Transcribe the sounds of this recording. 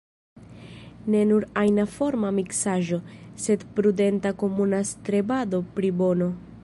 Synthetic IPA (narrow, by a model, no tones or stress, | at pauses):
ne̞nuɾajnafo̞ɾmamiksaʒo̞se̞dpɾude̞ntako̞munastɾe̞bado̞pɾibo̞no̞